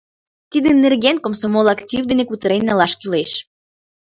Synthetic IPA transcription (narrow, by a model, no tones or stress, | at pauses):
t̪id̪enerɣenkomsomolɑkt̪ʲivd̪enekut̪əɾenːɑlɑʃkyleʃ